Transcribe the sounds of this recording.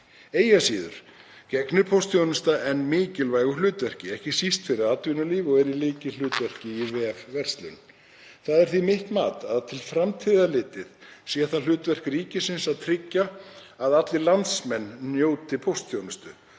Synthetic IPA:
eːjasiːðʏ̰ɾ̥ | cɛknʏpʰowst̪θʰjownʏst̪aʔɛnːmɪːcɪlvaːjɣʏlʏːt̪vɛr̥cɪɛhcɪsist̪fɪɾɪðat̪vʏnʏliːvɔɣɛɾilɪːcɪl̥ʏːt̪vɛr̥cɪivɛːfvɛr̥st̪lʏ̰n | θaðɛɾ̥θimɪht̪maːt̪aðt̪ʰɪlfɾamt̪ʰiːðalɪːt̪ɪðsiɛθaðl̥ʏːt̪vɛr̥kɾiːcɪsɪnsaðt̪ʰɾɪcːaːðat̪lɪlant̪smɛnːjoːwt̪ɪpʰowst̪θjownʏst̪ʏ

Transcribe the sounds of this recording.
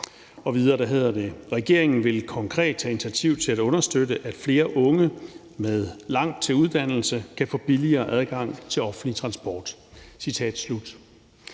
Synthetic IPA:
ɒ̽ʋið̞ˠɐːd̥æɦe̝ð̞̰ˠɐd̥e̝ʁɛɡ̥e̝ɐ̰e̝ŋn̩ʋe̝lkʰɒ̽ŋkʰʁɛ̰ːd̥̚t͡sʰæinit͡sʰæt͡sʰiʊ̰t͡sʰe̝læɾɔ̽nɐsd̥ødəʔæd̥fle̝ːɐʔɔ̽ŋə | með̞ˠlɑ̈ŋ̰d̥̚t͡sʰe̝luð̞ˠd̥æn̰l̩səkʰæfɔ̽ːb̥iliɐːʔæð̞ˠɡ̥ɑ̈ŋ̰t͡sʰe̝lɒ̽fn̩lit͡sʰʁɑ̈nsb̥ɒːd̥sit͡sʰɛ̰ːd̥slud̥

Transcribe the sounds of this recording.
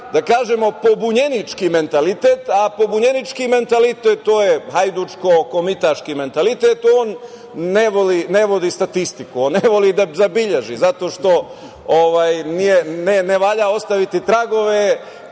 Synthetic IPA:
d̪akaːʒemo̞pobuɲe̞nit͡ʃkime̞nt̪alit̪eːt̪apo̞buɲenit͡ʃkime̞nt̪alit̪et̪ːoːjehajd̪ut͡ʃkoko̞mit̪aʃkime̞nt̪alit̪et̪oːnː | eʋolineʋo̞d̪ist̪at̪ist̪ikuoːnːeʋolid̪azabiʎeʒizat̪o̞ːʃt̪o̞ | oʋaːjnijeneneʋaʎao̞st̪aʋit̪it̪ɾaɡo̞ʋe

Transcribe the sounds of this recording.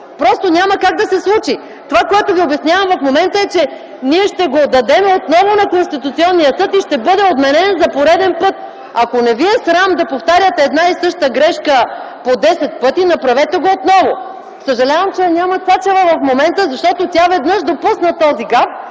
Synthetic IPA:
pɾɔst̪onʲaməkaɡ̚d̪ɐsɛslˠut͡ʃi | t̪ovakoɛt̪oviobjɐsnʲjavɐmvɐfmomɛnt̪əɛt͡ʃɛ | niɛʃt̪ɛɡod̪ɐd̪ɛmɛot̪nɔvonɐkonst̪it̪ut̪siɔnːijəsɤt̪iʃt̪ɛbɤd̪ɛod̪mɛnɛnzɐpoɾɛd̪ɛnpɤt̪̚ | ɐkonɛviɛsɾamd̪ɐpoft̪aɾʲjət̪ɛːd̪naisɤʃt̪əɡɾɛʃkə | pod̪ɛsɛt̪̚pɤt̪inɐpɾɐvɛt̪ɛɡoot̪nɔvo | səʒɐlʲavɐmt͡ʃɛnʲamət̪sat͡ʃɛvəvɐfmomɛnt̪əzɐʃt̪ɔt̪ot̪ʲavɛd̪nɤʃd̪opusnət̪ɔziɡap

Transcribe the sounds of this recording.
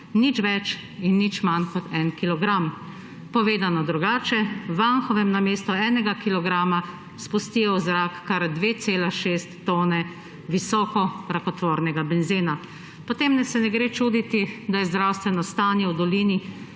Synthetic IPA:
nit͡ʃʋɛt͡ʃ | inːit͡ʃmankɔt̪ʰɛnkilɔɡɾam | pɔʋeːd̪anɔd̪ɾuɡaːt͡ʃɛʋanxɔʋɛmnameːst̪ɔɛːnɛɡakilɔɡɾaːma | spust̪ijɔzɾakːaɾd̪ʋeːt̪seːlaʃest̪ːoːnɛ | ʋisɔːkɔɾakɔt̪ʋoːɾnɛɡabɛnziːna | pɔt̪emnɛsɛnɛɡɾeːt͡ʃuːd̪it̪id̪ajɛzd̪ɾawst̪ʋɛnɔst̪aːnjɛwd̪ɔliːni

